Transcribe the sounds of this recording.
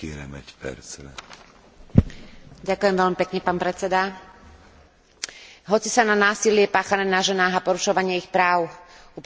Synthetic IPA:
iɾɛmɛcpɛ̰ɾt͡sʋɛ | ɟakʊjɛmʋɛʎmipɛkɲɛpaːnpɾɛt͡sɛd̪a | ɦɔt͡sisananaːsilɪɛpaːxanɛːnaʒɛnaːɣapɔɾuʃɔʋaɲɪɛixpɾaːʊup

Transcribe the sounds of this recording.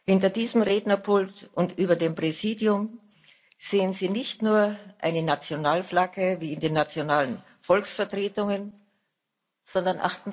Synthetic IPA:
hɪntɐdiːzəm̩ʁeːdnɐpʰʊltʔʊntʔyːbɐdeːmpʁ̥ɛziːdjʊm | z̥eːənziːnɪçtnuːɐʔa̰ɪnənat͡sjonaːlflaɡəviːɪndeːnːat͡sjonaːlən | fɔlksfɛɐtʁ̥eːtʊŋən | z̥ɔndɐnʔa̰χtn̩

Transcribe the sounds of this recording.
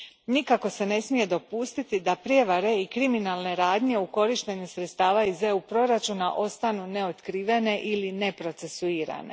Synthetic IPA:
nikako̞se̞ne̞smije̞d̪o̞puːst̪it̪id̪apɾje̞ʋaɾe̞ikɾiminalˠne̞ɾaːd̪ɲe̞uko̞ɾiʃt̪e̞ɲusɾet̪st̪aːʋaize̞upɾo̞ɾat͡ʃunaʔo̞st̪anune̞o̞t̪kɾiʋe̞ne̞ʔiline̞pɾo̞t̪se̞suiːɾa̰ne̞̰

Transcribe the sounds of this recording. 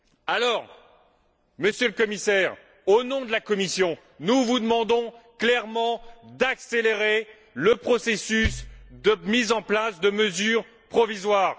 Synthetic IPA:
alɔːʁ | məsjøləkɔmisɛːʁ | onɔ̃d̪əlakɔmisjɔ̃ | nuvud̪əmɑ̃d̪ɔ̃klɛʁmɑ̃d̪akseleʁe | ləpχɔsesysd̪əmizɑ̃plasd̪əməzyːʁ | pχɔvizwaːʁ

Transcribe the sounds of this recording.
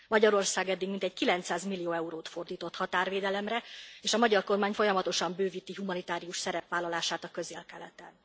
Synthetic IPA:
mɒɟɒɾo̞rsaːɡɛd̪ːiɡmint̪ɛɟ̚kilɛnt̪saːzmilːijoːɛuɾoːt̪fo̞rd̪iːt̪o̞t̪hɒt̪aːrveːd̪ɛlɛmrɛeːʃɒmɒɟɒrko̞rmaːɲfo̞jɒmɒt̪o̞ʃɒmbøːviːt̪iɦumɒnit̪aːɾijuʃsɛɾɛpʋaːlːɒlaːʃaːt̪ɒkø̞zeːlkɛlɛt̪ɛn

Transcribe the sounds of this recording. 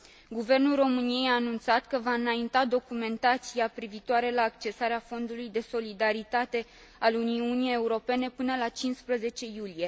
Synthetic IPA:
ɡuve̞rnulro̞mɨnije̞jaːnunt̪sat̪kəvaɨnaint̪ad̪o̞kume̞nt̪at̪siapɾivit̪oaɾelaːkt͡ʃe̞saɾeafo̞nd̪ulujd̪e̞so̞lid̪aɾit̪at̪e̞ | aluniunijeeuɾo̞pe̞ne̞pɨnəlat͡ʃinspɾəze̞t͡ʃe̞julije̞

